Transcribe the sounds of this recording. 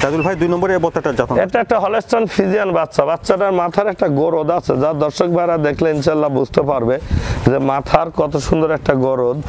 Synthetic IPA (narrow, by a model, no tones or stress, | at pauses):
ɾad̪ulbʱajd̪ujnɔmboɾeebɔt̪ːaɛʈaɾd͡ʑat̪oɛ̰kʈaɛk̚ʈaɦɔlesʈanfʰid͡ʑianbatːʃabat̪ːɕaʈaɾmat̪ʰaɾɛk̚ʈaɡoɾod̪at͡ɕʰed͡ʑad̪ɔɾʃokbʱaeɾad̪ekʰleinʃaalːabud͡ʑʱt̪epaɾbed͡ʑemat̪ʰaɾkɔt̪oʃund̪oɾɛk̚ʈaɡoɾod̪